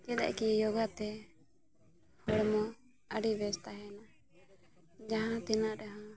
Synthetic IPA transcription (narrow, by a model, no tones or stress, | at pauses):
kɛd̪a̰ʔkijɔɡat̪ɛ | hɔɽmɔ | əɖibɛst̪aɦɛna | d͡ʒaɦãt̪ɛnaʔɾɛɦã